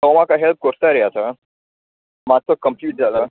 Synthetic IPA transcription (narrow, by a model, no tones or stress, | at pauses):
əwmakaɦelp̚koɾt̪aɾɛasa | mat͡səkəmpjuːʈ̚d͡zala